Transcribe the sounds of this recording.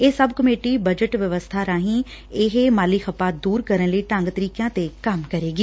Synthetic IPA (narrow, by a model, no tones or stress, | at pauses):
esɐbʱkɐmeːʈibɐd͡ʒəʈʋjɐʋəst̪ʰaɾaːɦĩɪɦmaːlixəpad̪uːɾkɐɾəɽ̃ləiːʈãŋɡt̪əɾiːkjãːt̪ekɐmkɐɾeːɡiː